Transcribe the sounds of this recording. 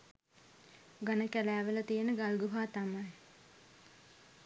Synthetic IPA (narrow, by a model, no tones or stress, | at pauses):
ɡanəkælæːʋələt̪ijenəɡalɡuɦaːt̪amaj